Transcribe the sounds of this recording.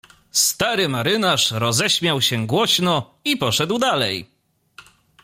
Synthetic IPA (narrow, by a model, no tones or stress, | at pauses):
st̪aɾɘmaɾɘnaʂɾɔzɛɕmʲjawɕɛɡwɔɕnɔ | ipɔʂɛd̪wd̪alɛj